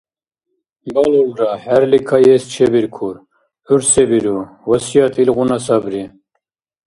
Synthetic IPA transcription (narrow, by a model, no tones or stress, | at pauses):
balɔlɾahæɾlikʰajɛst͡ʃʰɛbiɾkʰuɾ | uɾsɛbiɾu | wɐsijɑt̪ʰilɣunɑsɑbɾi